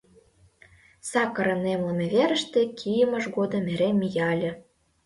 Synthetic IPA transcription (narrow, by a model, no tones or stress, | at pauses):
sɑkəɾə̆nemləmeβeɾə̆ʃt̪ĕkʰijəmə̆ʃɣod̪ɤ̆meɾemːijɑlʲɤ̆